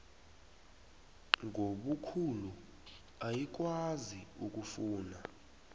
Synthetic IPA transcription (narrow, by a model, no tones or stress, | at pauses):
ŋʱoɓukʰulu | ajik̬waziuk̬ʼufuːna